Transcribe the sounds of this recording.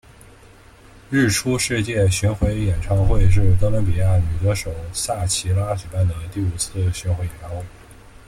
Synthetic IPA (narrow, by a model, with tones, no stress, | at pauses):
ɻ̩˥˩ʈ͡ʂʰu˥ʂɻ̩˥˧t͡ɕjɛ˥˩ɕy˧˥nxwe˧˥ɪjɛ˨˩nʈ͡ʂʰɑ˥ŋxwe˥˧ɪʂ̬ɻ̩˥˩˨t̪ɤ˥lə˧˥pi˨˩ja˥˩ny˨˩t̪ɤ˧˥ʂo˨˩ʊsa˥˩t͡ɕʰi˧˥la˥t͡ɕy˨˩pa˥˩nd̪ə˩t̪i˥˩u˨˩t͡sʰɹ̩˥˩ɕy˧˥nxwe˧˥jɛ˨˩nʈ͡ʂʰɑ˥ŋxwe˥˩ɪ